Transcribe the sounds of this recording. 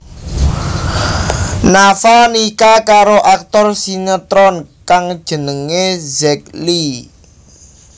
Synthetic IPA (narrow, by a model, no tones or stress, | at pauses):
nafanikakaɾoʔak̚t̪ɔrsiŋət̪ɾɔnkaŋd̥ʒ̥ə̤nəŋezɛk̚li